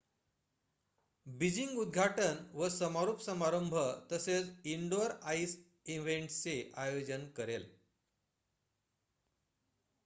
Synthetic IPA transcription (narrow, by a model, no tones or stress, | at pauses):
bid͡ʑiŋɡud̪̚ɡʱaʈənʋəsəmaɾupsəmaɾəmbʱət̪əset͡siɳɖoɾais | iʋeɳʈt͡seʔajod͡ʑənkəɾel